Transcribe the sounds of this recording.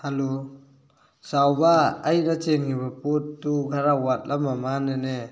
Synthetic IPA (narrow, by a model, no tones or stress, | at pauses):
halo | sawbaːjnat͡ʃenŋibapotːuɡʱaɾawat̚lamamanene